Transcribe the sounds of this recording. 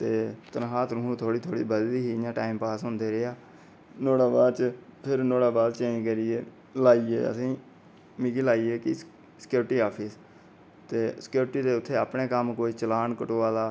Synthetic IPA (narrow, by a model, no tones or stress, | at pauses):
t̪eːt̪ənɦaːt̪ɾʊɦũːt̪ʰoːɽiːt̪ʰoːɽḭːbəd̪liːɦiːãːʈaːɪmpaːsɦʊnd̪eːɾeːaː | noːɽaːbaːt͡ʃpʰɪɾnoːɽaːbaːlt͡ʃə̃ĩːkəɾiːeː | laːiːḛːə̰sĩː | mikiːlaːiːeːkɪ | sə̥kjuːɾʈiːaːpʰiːs | t̪eːsə̥kjuːɾʈiːd̪eːʊt̪ʰːeːaːpneːkəmkoːit͡ʃəlaːnkəʈoːaːlaː